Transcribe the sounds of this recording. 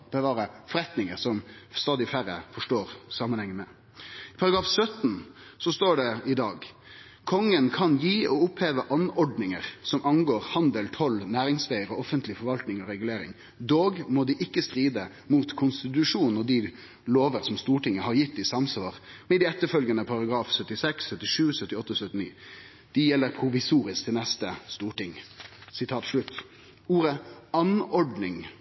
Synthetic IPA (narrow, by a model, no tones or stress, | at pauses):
bəʋɑːɾəfɔɾɛt̪nɪŋəɾsɔmst̪ɑːd̪ɪfæɾə̰fɔʂʈoːɾsɑːməɑnhɛŋːəmɛ | pʰɑɾɑɡɾɑːfsœt̪n̩sɔst̪oːɖɛɪd̪ɑːɡ | kʰɔŋːənkʰɑnjiːɔʊpheːʋəʔɑnɔɖnɪŋəɾsɔmʔɑnɡoːɾhɑnd̪əlt̪ʰɔlːnæːɾɪŋsʋæɪəɾɔɔfənt̪lɪfɔɾʋɑlt̪nɪŋɔɾɛɡʉleːɾɪ̰ŋ | d̪oːɡmɔd̪ɪʔɪkːəst̪ɾiːd̪ə | muːt̪kʰʊnst̪ɪt̪̬ʉʂuːnnɔd̪ɪ | loːʋəɾsɔmst̪uːʈɪŋːəhɑɾjɪt̪ːd̪ɪsɑmsʋɑːɾmɛd̪ɪɛt̪ːəɾfœlɡɑnəpʰɑɾɑɡɾɑːfsœt̪ːɪsɛksːœt̪ːɪʂʉːsœt̪ːɪɔt̪ːəsœt̪ːɪnḭː | d̪̥ɪjɛlːəɾpʰɾʊʋɪsuːɾɪsk̚t̪ʰɪlnɛst̪əst̪uːʈɪŋsɪt̪ʰɑːt̪ʂɭʉt̪ː | uːɾəɑnɔɖnɪŋ